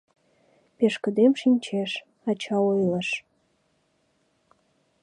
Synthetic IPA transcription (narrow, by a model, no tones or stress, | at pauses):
peʃkə̆d̪emʃinʲt͡ɕeʃ | ɑt͡ɕɑojləʃ